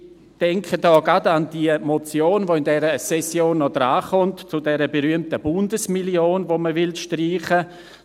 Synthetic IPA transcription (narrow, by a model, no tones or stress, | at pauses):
d̥ɛŋkʰədɔːɡadandiəmot͡sjoːnvoːɪndɛɾəsɛsjoːnːɔdɾaːχʊntt͡sʊdɛɾəbeɾyəmtəbʊndəsmiljoːnvoməvɪlʃtriːχə